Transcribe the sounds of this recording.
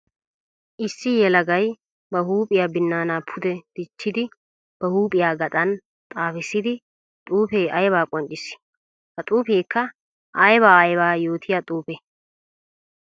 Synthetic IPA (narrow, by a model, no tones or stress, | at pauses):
ʔɪsːɪjɛlɐɡɐj | bɐɦuːpʼɪjaːbɪnːaːnaːpʰʊd̪ɛd̪̥ɪt͡ʃːɪd̪ɪ | b̥ɐhuːpʼɪjaːɡɐt̪ʼɐn | t̪ʼaːfɪsːɪd̪ɪ | t̪ʼuːpeːʔɐjbaːkʼɔnt͡ʃʼɪs | hɐt̪ʼuːpeːkːɐ | ʔɐjbaːɐjbaːjoːt̪ʰɪjat̪ʼuːpe